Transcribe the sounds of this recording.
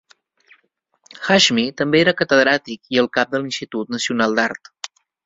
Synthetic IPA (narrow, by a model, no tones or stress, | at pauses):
xaʒmit̪əmbeeɾəkət̪əðɾat̪ikiəlˠkap̚d̪əlinsit̪ut̪̚nəsiunalˠd̪aɾt̪